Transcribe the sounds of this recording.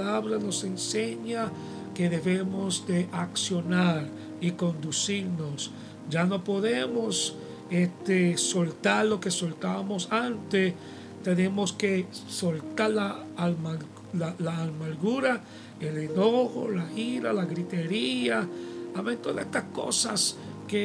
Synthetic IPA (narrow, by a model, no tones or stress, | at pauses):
laβɾano̞senseɲa | keðeβemozd̪eʔaksjo̞naɾ | iko̞nd̪usiɾnos | d͡ʒanopo̞ðemos | et̪esolt̪aɾlo̞kesolt̪aβamosant̪e | t̪enemoskesolt̪aɾla | alma | lalaːlmaɾɡuɾa | elenoxo̰laxiɾalaɣɾit̪eɾiaaβent̪oðaest̪asko̰sa̰ske